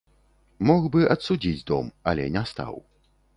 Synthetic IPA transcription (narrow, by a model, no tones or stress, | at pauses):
mɔxbɨʔɐt̪sud͡zʲid͡zʲd̪ɔ̰mɐlʲɛnʲɛst̪a̰w